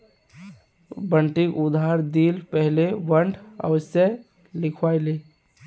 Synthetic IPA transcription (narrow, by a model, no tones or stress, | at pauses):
bəɳʈikʊd̪aɾd̪iːlpɛɦleʋəɳɖʱə̰wəsjə | lɪkʰwaɪleː